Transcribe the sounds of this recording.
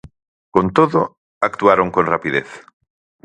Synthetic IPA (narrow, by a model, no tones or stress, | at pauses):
kont̪oðʊ | akt̪uaɾoŋkõnrapiðeθ